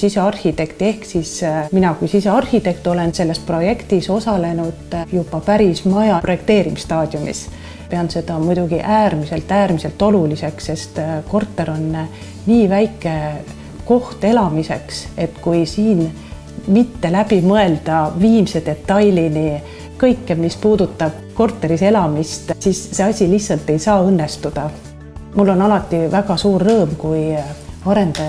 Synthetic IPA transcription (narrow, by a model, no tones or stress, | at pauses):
siseɑrhit̪e̞kt̪e̞hksisminɑkujsiseɑrhit̪e̞kt̪ˑo̞le̞nse̞lːe̞spro̞je̞kt̪iso̞sɑle̞nud̪̥jubɑpæɾismɑjɑpro̞je̞k̚t̪eːɾimist̪ɑːd̪̥jumḭs | peɑnse̞d̪ɑmujd̪̥uɡ̥iʔæːrmise̞lt̪ːˑæːrmise̞lt̪ːo̞lulise̞ksse̞st̪ko̞rt̪ːe̞ɾo̞nː | niːvæjkːˑe̞ | ko̞ht̪e̞lɑmise̞kse̞t̪kujsiːn | mit̪ːe̞læb̥imɤe̞ld̪̥ɑviːmse̞d̪̥e̞t̪ːɑjlini | kɤjkːemispuːd̪̥ut̪ːˑɑb̥̚ko̞rt̪ːˑe̞ɾise̞lɑmist̪sisːe̞ɑsʲilihtsɑlt̪ːˑe̞jsɑːɤnːe̞st̪ud̪̥ɑ | mulːo̞nɑlɑt̪ːˑivæɡ̥ɑsuːrːɤːmkujɑɾe̞nd̪̥ɑj